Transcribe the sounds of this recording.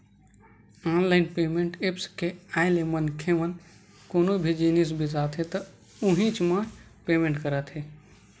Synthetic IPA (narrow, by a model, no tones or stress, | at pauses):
aːnlaɪnpemeɳʈepskealemənkʰeʋən | konobʱid͡ʒinisbʱid͡ʒat̪ɦet̪ə | uɦĩt͡ʃmə̃ | pemẽɳʈkəɾət̪ʰɦe